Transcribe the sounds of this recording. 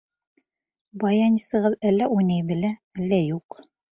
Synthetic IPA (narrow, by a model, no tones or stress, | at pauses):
bɑjɑnisɤ̆ʁɤðælːæʔujnæjbɘ̆læælːæjuq